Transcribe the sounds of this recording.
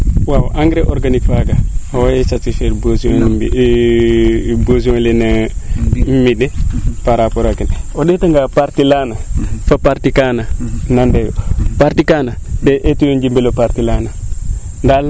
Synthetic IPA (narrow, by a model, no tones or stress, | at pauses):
wawʔaŋɡɾeʔoɾɡanikfaɡaawajesasifeɾbos | bosiõlena | mmidepaɾapoɾakinoɗetaŋɡapaɾtilanafapaɾtikananandejopaɾtikanadeʔetujond͡ʒimbelopaɾtilana | ndal